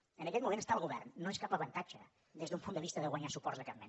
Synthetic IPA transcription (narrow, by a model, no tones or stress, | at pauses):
ənəkɛt̪mumẽntəst̪aəlˠɣuβɛrnːoeskapəβənt̪ad͡ʒə | d̪ezðumpunəβist̪əðəɣwaɲasupɔrtzðəkammen